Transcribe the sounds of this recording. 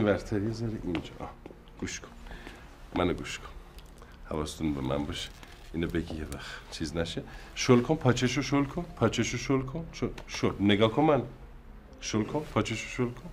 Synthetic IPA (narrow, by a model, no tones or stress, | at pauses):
ivæɾt̪ʰæɾiezɒɾeʔind͡ʒɒ̰ʔɒ̰ | ɡ̥uʃkʰo̥n | mænoɡuːʃkʰo̥n | hævɒːst̪ʰunbemæ̰nbɒʃe̥ | inobeɟijevæxt͡ʃʰiːznæʃeʃolkʰonpʰɒːt͡ʃʰeʃ̬oʃolkʰonpʰɒːt͡ʃʰeʃoʃolkʰonʃoʃolneɡɒːkʰomæn | ʃolkʰonpʰɒːt͡ʃʰeʃo̥ʃolkʰon